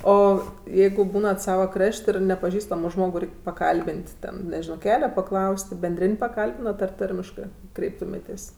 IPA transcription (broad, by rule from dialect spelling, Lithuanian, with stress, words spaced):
ˈoː ˈjɛɪɡʊ ˈbuːnɐt ˈsɑːʋɐ ˈkrɐʃʲtʲ ˈɪr nʲɛpɐˈʒʲiːstɐmoː ˈʒmoːɡʊ ˈrʲɛɪkʲ pɐˈkɐlʲbʲɪnʲtʲ ˈtʲɛn nʲɛˈʒʲɪnoː ˈkʲæːlʲɛ pɐˈklˠɐʊsʲtʲ bʲɛnʲˈdʲrʲɪnʲ pɐˈkɐlʲbʲɪnɐt ɐr ˈtɐrʲmʲɪʃkɜ ˈkrʲɛɪptʊmʲeːtʲeːsʲ